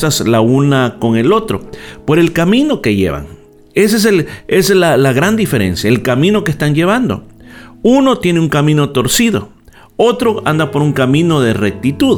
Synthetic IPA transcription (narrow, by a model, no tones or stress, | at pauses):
saslaunako̞ŋe̞lo̞t̪ɾo̞̰po̞ɾe̞lkamĩno̞ke̞ʝe̞̰βa̰ŋ | es̬es̬eleslalaɣɾand̪ife̞ɾe̞̰nsjaelkamĩno̞kest̪and͡ʒe̞β̞and̪o̞̰uno̞t̪jeneuŋkamĩno̞t̪o̞ɾsiðo̞̰ | o̞t̪ɾoa̰nd̪apo̞ɾuŋkamĩno̞ðe̞rek̚t̪it̪uð